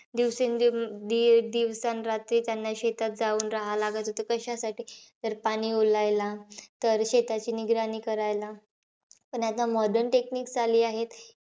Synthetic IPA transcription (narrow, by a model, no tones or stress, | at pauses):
d̪iʋsend̪id̪iʋsanɾat̪ɾiːt̪janːaɕet̪at̪̚d͡zauːnɾaɦalaɡat̪ot̪əkəɕasaʈiːt̪əɾpaɽ̃iːolajlat̪əɾɕet̪at͡ɕiːniɡɾaniːkəɾajla | pəɳjat̪amɔɖəɾnʈekniːkd͡zaliːaɦet̪